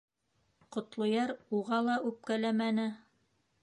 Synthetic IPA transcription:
qŏt̪lˠŏjɑɾuʁɑlˠɑʔʉp̚kælæmænɘ

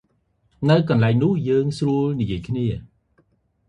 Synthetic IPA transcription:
nɨwkɑnlaɛŋnʊ̆əhjəːŋsruəlnijiəjkʰniə

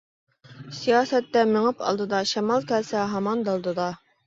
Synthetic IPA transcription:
sijɑsæt̪ːæmɘ̆ɴɤpɑ̰lˠd̪ɤd̪ɑɕɑmɑlˠkælsæɦɑmɑnd̪ɑlˠd̪ɤd̪ɑ

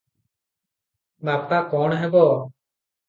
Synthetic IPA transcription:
baːp̚t̪akɔːɳɦɛbɔː

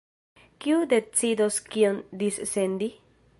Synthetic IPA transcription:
kiude̞t͡sidoskiond̪issend̪i

